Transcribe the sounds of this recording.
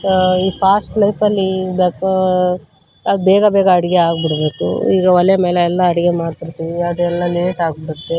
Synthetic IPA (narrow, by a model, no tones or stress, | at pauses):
iːpʰaːsʈlɐjpɐlːibk | ɐd̪ubɛːɡɐbɛːɡɐːɽiɡeaːɡbiɽbe̞ːkṵḭːɡɐʋɐlɛjɐmeːleɛlːɐɐɽiɡemaːɽt̪iɾt̪iʋiaːd̪uɛlːɐleːʈaːɡbiɽut̪ːe